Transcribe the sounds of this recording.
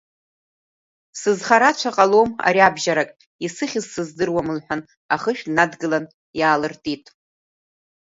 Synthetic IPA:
sɨzχaɾat͡ʃʷʰaqʼaloma̰ɾiabʒaɾakʼ | isɨχʲɪzsɨzdɨrwamɨlħʷᶣan | aχəʃᶣnadɡɨlan | jaːlɨrtʼitʼ

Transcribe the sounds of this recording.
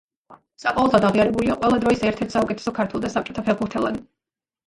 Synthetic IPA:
saqʼɔvɔlzad̪aʁiaɾɛbuliaqʼwɛlˠad̪ɾɔisɛɾt̪ʰɛɾt̪ʰsaukʼɛt̪ʰɛ̥sɔkʰaɾt̪ʰwɛlˠd̪asap̚t͡ʃʼɔ̥t̪ʰapʰɛlbuɾt̪ʰɛlˠa̰d̪

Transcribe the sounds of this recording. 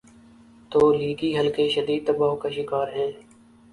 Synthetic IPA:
t̪oːliːɡiːɦəlkeʃəd̪iːd̪̚t̪əbaːɦkaʃɪkaːɾɦɛ̃ː

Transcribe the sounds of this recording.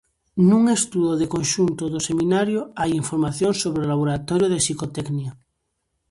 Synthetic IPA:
nũŋest̪uðoðekonʃunt̪oðosemĩnaɾjoajiɱfoɾmaθjoŋsoβɾeolaβ̞oɾat̪oɾjoð̞esikot̪eknia

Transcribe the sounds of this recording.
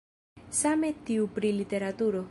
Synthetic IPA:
same̞t̪iupɾilit̪e̞ɾat̪uɾo

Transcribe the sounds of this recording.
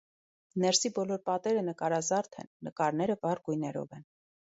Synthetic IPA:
nɛɾsibɔlɔɾpɑt̪ɛɾənəkɑɾɑzɑɾt̪ʰɛ̰nːəkɑɾnɛɾəvɑrɡujnɛɾɔ̰vɛn

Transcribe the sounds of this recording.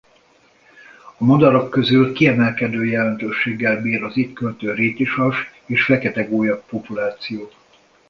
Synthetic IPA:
ɒmod̪ɒɾokːø̞zylkiɛmɛlkɛd̪øːjɛlɛnt̪øːʃːeːɡːɛlbiːɾɒzit̪kølt̪øːɾeːciʃɒʃeːʃfɛkɛt̪ɛɡoːjɒpːopulaːt̪sijoː

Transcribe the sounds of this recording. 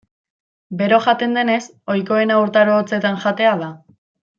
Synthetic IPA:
be̞ɾo̞ʝat̪e̞nd̪e̞ne̞s | o̞jko̞e̞nauɾt̪aɾoːt͡se̞t̪anʝat̪e̞aða

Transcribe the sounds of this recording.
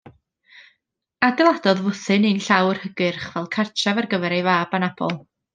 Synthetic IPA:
adɛlˠadɔðvʊθɨnɨnɬawrhəɡɨrχv̥ɛlˠkʰart͡ʃʰavarɡəvɛɾajvaːbanab̥ɔ̰lˠ

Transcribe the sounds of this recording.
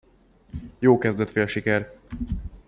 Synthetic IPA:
joːkɛzd̪ɛt̪feːlʃikɛr

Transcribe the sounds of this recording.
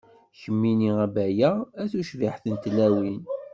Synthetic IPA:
çəmːiniæbæjææθuʃviħθənt̪læwin

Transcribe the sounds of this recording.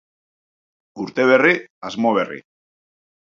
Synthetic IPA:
uɾt̪eβ̞eriazmoβerḭ

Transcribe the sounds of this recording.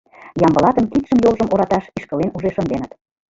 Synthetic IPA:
jɑmbɤ̆lɑt̪əmkit̪ʃəmjolʒə̆mʔoɾɑt̪ɑʃiʃkə̆lenuʒeʃə̆nd̪enət̪

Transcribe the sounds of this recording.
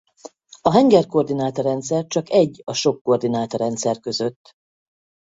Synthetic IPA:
ɒɦɛŋɡɛrko̞rd̪inaːt̪ɒɾɛnt̪sɛrt͡ʃɒkɛɟːɒʃo̞kːo̞rd̪inaːt̪ɒɾɛnt̪sɛrkø̞zøt̪ː

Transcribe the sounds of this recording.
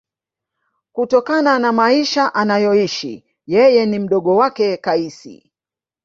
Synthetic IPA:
kutɔkananamaiʃaʔanajɔiʃḭ | jɛjɛnim̩ɗɔɠɔwakɛkaisḭ

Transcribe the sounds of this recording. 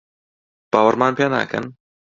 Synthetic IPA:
b̥aːwəɾmaːnpʰeːna̰ːkʰɐ̰n

